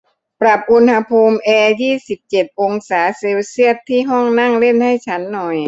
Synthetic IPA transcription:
pɾa˨˩p̚ʔu˧nha˧pʰuː˧mʔɛː˧jiː˥˩si˨˩p̚t͡ɕe˨˩t̪̚ʔo˧ŋsaː˩˦seː˧wsi˥˩ət̪ʰːiː˥˩ɦɔ˥˩ŋna˥˩ŋle˥˩nha˥˩jt͡ɕʰa˦˥nːɔ˨˩j

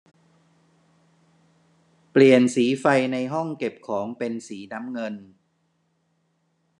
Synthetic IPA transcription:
pli˨˩ənsiː˩˦fa˧jna˧jɦɔ˥˩ŋke˨˩p̚kʰɔː˩˦ŋpe˧nsiː˩˦na˦˥mŋɤ˧n

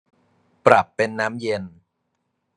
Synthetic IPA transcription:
pɾa˨˩pːe˧nːaː˦˥mje˧n

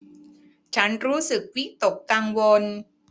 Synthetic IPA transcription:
t͡ɕʰa˦˥nɾuː˦˥sɯ˨˩k̚wi˦˥t̪o˨˩kːaː˧ŋwo˧n

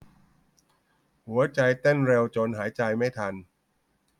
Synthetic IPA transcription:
hu˩˦ɐt͡ɕa˧jt̪e˥˩nɾe˧wt͡ɕo˧nɦaː˩˦jt͡ɕa˧jma˥˩jt̪ʰa˧n

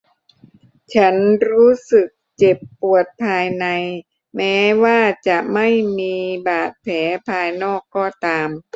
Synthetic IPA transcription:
t͡ɕʰa˦˥nɾuː˦˥sɯ˨˩k̚t͡ɕe˨˩pːu˨˩ət̪̚pʰaː˧jna˧j | mɛː˦˥waː˥˩t͡ɕa˨˩ʔma˥˩jmiː˧baː˨˩t̪̚pʰɛː˩˦pʰaː˧jnɔː˥˩kːɔː˧˩t̪aː˧m

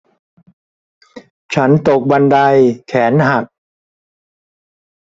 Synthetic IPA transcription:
t͡ɕʰa˦˥nt̪o˨˩k̚ba˧nda˧jkʰɛː˩˦nɦa˨˩k̚

